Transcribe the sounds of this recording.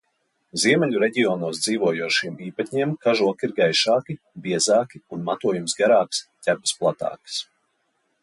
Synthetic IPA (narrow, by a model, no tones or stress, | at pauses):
ziɛmʲɛʎʲuɾɛɟʲiɔːnuːsd̪ziːvuɔjuɔʃiɛmiːpat̪ʲɲiɛmkaʒuɔkiɾɡajʃaːki | biɛzaːkiunmat̪uɔjumsɡaɾaːkst̪ʲæbɨ̥splˠat̪a̰ːkɨ̥s